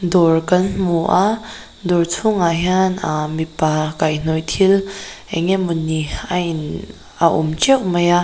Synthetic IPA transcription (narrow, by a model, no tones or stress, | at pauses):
dɔrkɐnmuʔa | d̪ɔɹt͡sʰuŋaɦanamipakajn̥ɔjt̪ʰilɛŋɛmunːian | aʔṵmt͡ʃɛwʔmaja